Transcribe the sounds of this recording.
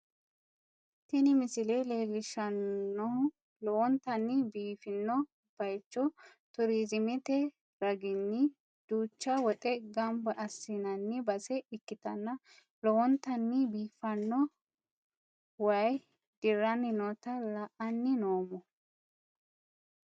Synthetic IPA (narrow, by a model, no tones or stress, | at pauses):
t̪ɪnɪmɪsɪlele̞ːlːɪʃɐnːɔ | lɔwɔnt̪ɐnːɪbiːfɪnːɔ | b̥ɐjt͡ʃːɔ | t̪ʊɾiːzɪmɪt̪ɛ | ɾɐɡɪnːɪ | d̪̥uːt͡ʃːɐwɔt̪ʼɛɡɐmbɐʔɐsːinɐnːɪbɐsɛɪkːɪt̪ɐnːɐ | lɔwɔnt̪ɐnːɪbiːfɐnːɔ | wɐj | d̪̥ɪrːɐnːɪnɔt̪ɐlɐʔɐnːɪnoːmɔ